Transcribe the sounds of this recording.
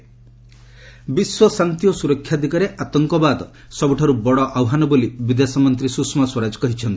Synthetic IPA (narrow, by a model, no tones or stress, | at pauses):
biswɔsant̪ijɔsuɾɔkʰːjad̪ʱikaɾeʔat̪ɔŋkɔbad̪ɔ | sɔbuʈʰaɾubɔɽɔʔawɦanɔbolibid̪esɔmɔnt̪ɾisuksmaswɔɾad͡ʒɔ̥kɔɦit͡ʃʰɔnt̪i̥